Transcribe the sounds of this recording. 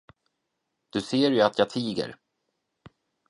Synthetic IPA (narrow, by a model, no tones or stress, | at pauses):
d̪̥ɵseːɾjɵat̪ʰjɑːt̪ʰiːɡə̰ɾ